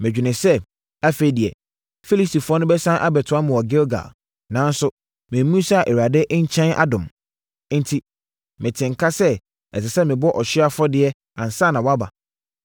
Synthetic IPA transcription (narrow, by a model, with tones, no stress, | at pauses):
mɪ̃˨d͡ʑᶣɪ˨nɪ̃˨sɛ˦ | a˦fe˦i˦dɪ˨ɛ˨ | fi˦li˦si˨fʊ˨˦ɔ˦nʊ̃˦bɛ˦sã˦ʔa˦bɛ˨tʰʊ˨˦a˦mʊ̃˨wɔ˨ɡɛ˦lɡa̰˨ | nã˨˦n˦sʊ˦ | mɪ̃˨˦mũ˦sa˦˨ʔe˨wa˨dɛ˦ʔɲ̩˦t͡ɕʰɛ̃˦nʔa̰˦dʊ̃˨m˦ | n̩˦tʰi˦ | mɪ̃˨tʰɪ̃˨ŋ˨kʰa˦sɛ˦ | ɛ̰˨s̬ɪ˨sɛ˦mɪ̃˨bɔ˦ʔɔ˨ɕɪ˦a˦fɔ˦dɪ˨ɛ˦ | ã˨n˨sa˦˨nã˨wɔ˦a˦ba̰˨